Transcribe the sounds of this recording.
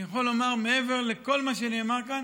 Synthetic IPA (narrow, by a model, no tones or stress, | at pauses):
jeχolːo̞maʁmee̞ve̞ʁleko̞lmaʃ̬eaneːmaʁkan